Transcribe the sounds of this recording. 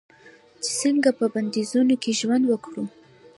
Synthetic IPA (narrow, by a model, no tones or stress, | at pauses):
t͡ʃe̥səŋɡapəband̪izunokeʒwand̪wəkɽu